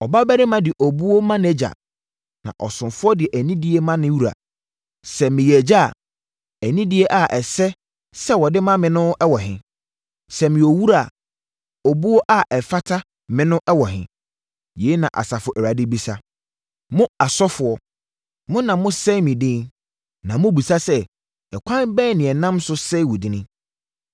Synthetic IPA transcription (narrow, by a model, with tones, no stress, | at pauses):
ɔ˨ba˦bæ˦ɾɪ˦mã˦dɪ˨ʔo˨bu˦o˦mã˦nɛ˦d͡ʑa̰˨ | nã̰˨ʔɔ̰˨sʊ̃˨mfʊ˦ɔ˦dɪ˨ɛ˨ʔæ˨nĩ˦di˦e˦mã˦nɪ̃˦wu˦ɾa̰˨ | sɛ˨mɪ̃˨jɛ˨d͡ʑa̰˦˨ | æ˨nĩ˦di˦e˦ʔa˨ʔɛ˨sɛ˦ | sɛ˦wɔ˨dɪ˦mã˦mɪ̃˨nʊ̃˦ɛ˦wɔ˨ɦɪ̰̃˨ | sɛ˨mɪ̃˨o˨wu˦ɾa˨ | ɔ˨bu˦ɔ˦ʔa˦ʔɛ˨fa˦tʰa˦ | mɪ̃˨nʊ̃˦ʔɛ˦wɔ˨ɦɪ̰̃˨ | je˨˦nã˨ʔa̰˨sa˨fʊ˨ʔæ˨ɾa˨dɪ˦bi˦sa˦ | mʊ̃˦a˨sɔ˦fʊ˨ɔ˦ | mʊ̃˦nã˨mʊ̃˦sɛ˦mɪ̃˨dɪ̃˦n | nã˨mʊ̃˦bu˨sa˦sɛ˦ | ɛ˨kʷʰã˦nbɛː˦nɪ̃˨ɛ˨nã˦msʊ˦sɛ˦wu˨dɪ˨nɪ̃˦